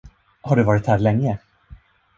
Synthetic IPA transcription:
haɖɵvɑːɾɪt̪hæːɾlɛŋːə

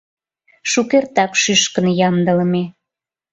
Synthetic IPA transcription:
ʃukert̪ɑkʃyʃkənjɑmd̪ə̆ləme

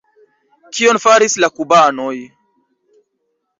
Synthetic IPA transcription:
kionfaɾislakubanoj

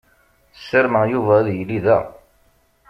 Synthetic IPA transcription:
sːəɾməjuvæðjlːiðæ̰

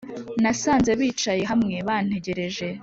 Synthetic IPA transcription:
nasaːnze̞βiːt͡ʃaje̞ɦamŋe̞βaːn̥e̞ɟe̞ɾe̞ʒe̞

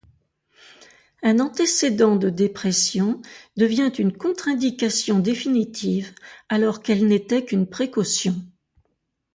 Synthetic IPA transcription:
ɛ̃nɑ̃t̪esed̪ɑ̃d̪əd̪epχɛsjɔ̃d̪əvjɛ̃t̪ynkɔ̃t̪χɛ̃d̪ikasjɔ̃d̪efinit̪ʰivalɔʁkɛlnet̪ɛkynpχekɔsjɔ̃

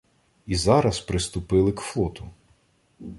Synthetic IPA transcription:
izɑɾɐspɾɪst̪ʊpɪlˠɪkflˠɔt̪ʊ

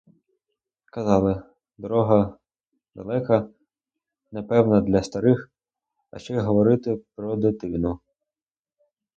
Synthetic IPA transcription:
kɐzɑlˠɪ | d̪ɔɾɔɦɐ | d̪ɐ̰lˠɛkɐ | nepɛwnɐd̪lʲɐst̪ɐɾɪx | ɐ̰ʃt͡ʃɔjɦɔʋɔɾɪt̪ɪpɾɔd̪ɪt̪ɪnʊ

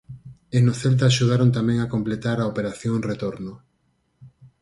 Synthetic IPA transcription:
enoθelt̪̬aːʃuð̞aɾont̪amɛ̃ŋakomplet̪aɾaopeɾaθjoŋret̪oɾno

